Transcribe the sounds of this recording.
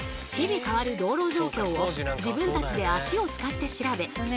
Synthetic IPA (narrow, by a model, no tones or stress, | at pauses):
çibʲikaβaɾɯ̟d̪o̞ːɾo̞ːʑo̞ːkʲo̞ːod͡ʑibɯ̟̃nt̪at͡ɕid̪e̞aɕio̞t͡sɨ̥kat̪ːe̞ɕiɾabe̞